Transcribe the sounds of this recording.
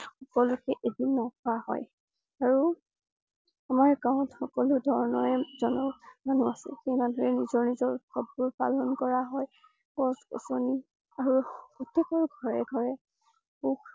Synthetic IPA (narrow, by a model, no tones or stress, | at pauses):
xɔkɔlukɛʔedinɔkʰɔahɔ̰j | aɹu | amaɹkaʊ̃txɔkɔlʊdʱɔɹnɔɹɛzɔnɔmanuasɛ̰xejmadʱɔɹɛnizɔɹnizɔɹkɔbːuɹpa̰lɔnkɔɹaɦɔj | pɔskɔ̰soni | aɹuɔtekaɹuɡʱɔɹɛɡʱɔɹɛ | uk